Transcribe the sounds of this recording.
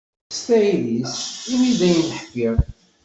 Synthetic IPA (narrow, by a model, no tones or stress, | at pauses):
st̪æilisimid̪æjənəħkːið